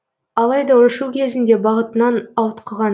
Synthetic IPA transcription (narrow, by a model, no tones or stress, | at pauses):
ɑlˠɑjd̪ɑwʊʃuwkʲʰe̞zɪnd̪e̞bɑʁət̪ənɑnɑwət̪qʰəʁɑn